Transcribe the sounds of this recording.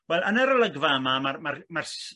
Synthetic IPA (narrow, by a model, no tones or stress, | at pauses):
wɛlˠənɛɾələɡvaəmamarmarmars